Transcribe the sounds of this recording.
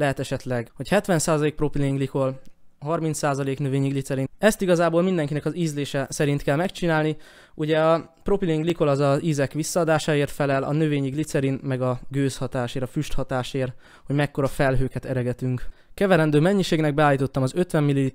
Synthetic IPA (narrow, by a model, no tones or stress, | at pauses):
lɛɦɛt̪ɛʃɛt̪lɛɡho̞chɛt̪ʋɛnsaːzɒleːk̚pro̞pileiŋɡliko̞lɦɒrmint̪saːzɒleːknøveːɲiɡlit̪sɛɾinɛst̪iɡɒzaːboːlmind̪ɛŋkinɛkɒziːzleːʃɛsɛɾint̪kɛlmɛkt͡ʃinaːlni | uɟɛɒ | pro̞pileiŋɡliko̞lɒzɒziːzɛkʋisːɒːd̪aːʃaːeːrt̪fɛlɛlɒ̰nøveːɲiɡlit̪sɛɾinmɛɡɒɡøːshɒt̪aːʃeːɾɒfyʃt̪hɒt̪aːʃeːr | ho̞ɟmɛkːo̞ɾɒfɛlɦøːkɛt̪ɛɾɛɡɛt̪yŋk | kɛvɛɾɛnd̪øːmɛɲːiʃeːɡnɛɡ̚bɛaːlːiːt̪o̞t̪ːɒmɒzø̞t̪ʋɛmːilii